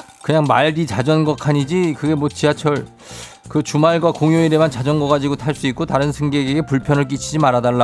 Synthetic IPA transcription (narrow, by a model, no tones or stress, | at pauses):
kɯɲaŋmaɭdit͡ɕad͡ʑʌnɡʌkʰaɲid͡ʑikɯɡe̞mʌt͡ɕiat͡ɕʰʌɭ | kɯt͡ɕumaɭɡwakoŋjoiɾemant͡ɕad͡ʑʌnɡʌɣad͡ʑiɡotʰaɭs͈uik͈̚ʰotaɾɯnsʰɯŋɡeɡeɡe̞puɭpʰjʌnɯɭk̬͈it͡ɕʰid͡ʑimaɾadaɭːa